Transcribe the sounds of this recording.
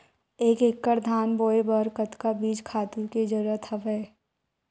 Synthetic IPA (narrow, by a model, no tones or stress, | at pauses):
eːkekːəɾd̪ʱaːnboːebəɾkət̪kabiːd͡ʒkʰaːt̪uked͡ʒəɾuɾət̪ɦəʋɛː